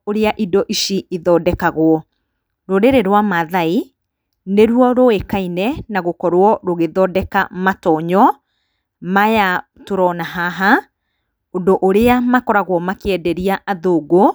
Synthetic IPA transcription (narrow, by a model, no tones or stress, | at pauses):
oɾeaʔidɔʔiʃiiðɔːdɛkaɣwɔ | ɾoɾeɾeɾwamaðai | neɾwɔɾoekainɛnaɣokɔɾwɔɾoɣeðɔdɛkamatɔɲɔ | maja | toɾɔnaɦaɦa | ondoʔoɾeamakɔɾaɣwɔmakeɛdɛɾiaʔaðoːɡo